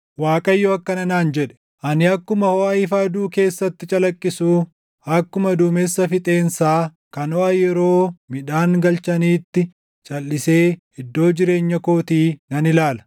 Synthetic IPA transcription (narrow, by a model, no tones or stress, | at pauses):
waːkʼɐjːɔɐkːɐnɐnaːnd͡ʒɛᶑɛ̥ | ʔɐnɪɐkːʊmɐhoːɐɪfɐd̪uːke̞ːsːɐt̪ːɪt͡ʃʼɐlɐkʼːɪsuː | ɐkːʊmɐd̪uːmesːɐfɪt̪ʼe̞ːnsaː | kɐnɔʔɐjɛɾo̞ːmɪᶑaːŋɡɐlt͡ʃɐniːt̪ːɪ | t͡ʃʼɐlːɪse̞ː | ɪd̪ːo̞ːd͡ʒɪɾe̞ːɲːɐkoːt̪iːnɐnɪlaːlɐ̥